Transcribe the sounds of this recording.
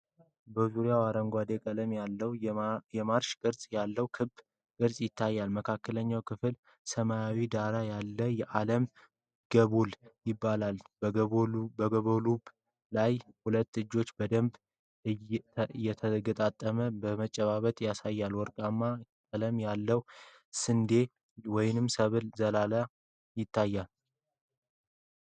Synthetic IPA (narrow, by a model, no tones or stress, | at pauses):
bəzuɾijawaɾəŋɡʷad̪e̞kʼələmalːəwjɛmaɾʃkʼɨɾsʼjalːəwkʰɨb | kʼɨɾsʼjɪt̪ʰːajːalməkʰakːələɲːawkʰɨfɨl | səmaawid̪aɾajalːəjɛʔaləm | ɡ̥əβuljɪbːalal | bəɡəβolub | lajhulət̪ːɨd͡ʒːo̞t͡ʃːbəd̪əmb | ɨjːɛt̪ʰəɡət̪ʼat̪ʼːəməbəmət͡ʃʼːɛβaβət̪ʼjasajːalwɔɾkʼamːa | aləmjalːəw | sɨnd̪e̞ | wɔjnɨmsəβɨlzəlala | jɪt̪ʰːajːal